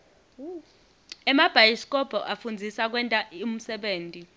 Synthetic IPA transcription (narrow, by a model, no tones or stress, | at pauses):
ɛmab̥ʱajiskʼɔb̥ʱɔʔafund͡zʱisak̬wɛntʼaum̩sɛɓeːntʼi